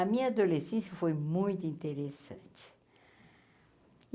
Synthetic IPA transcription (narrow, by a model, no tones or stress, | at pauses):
ɐmĩɲɐad̪olesẽsjɐfojmũj̃t̪ʊĩnt̪eɾesɐ̰̃nt͡ʃɪ̥